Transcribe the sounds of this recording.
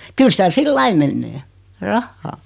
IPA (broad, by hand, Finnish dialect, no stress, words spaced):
kyl sitæ silːɑi menːeː rɑhːɑː